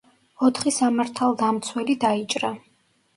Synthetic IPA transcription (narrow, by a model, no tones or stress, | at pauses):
ɔt̪ʰχisamaɾt̪ʰalˠd̪amt̪sʰwɛlid̪ait͡ʃʼɾa